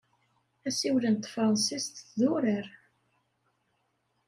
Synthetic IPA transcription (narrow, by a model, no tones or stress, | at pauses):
æsiwlənt̪fɾˤɑnsist̪ðuɾəɾ